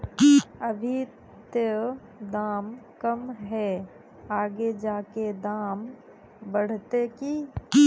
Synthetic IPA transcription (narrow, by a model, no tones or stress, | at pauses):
əbʱi | t̪e | d̪aːmkəmɦɛ | aːɡed͡ʒaːked̪aːm | bəɽ̤t̪eki